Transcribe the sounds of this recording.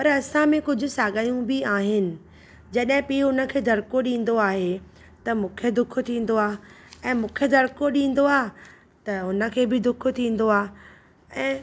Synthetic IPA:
pɐɾɐsãmẽkʊd͡ʑʱʊ̆saːɡaːjũbɪaːɦɪnɪ̆ | d͡ʑɐɗɦɪ̃piːʊnə̆kʰeːd̪ʱɐɽkoɗĩːn̆d̪oaːɦe | t̪ɐmũːkʰed̪ʊkʰʊ̆t̪ʰĩːn̆d̪oaːɛ̃ːmũːkʰed̪ʱɐɾkoɗĩːn̆d̪oaː | t̪ɐɦʊnə̆kʰeːbɪd̪ʊkʰʊ̆t̪ʰĩːn̆d̪oaː | ɛ̃ː

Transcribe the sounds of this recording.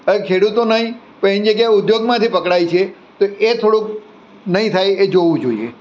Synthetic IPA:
əekʰeɽut̪onəɦĩ | pəĩnd͡ʒəɡjaʊd̪joɡmãt̪ʰipəkɽajt͡ʃʰe | t̪oet̪ʰoɽũk | nəɦĩt̪ʰajed͡ʒoʋũd͡ʒoḭḛ

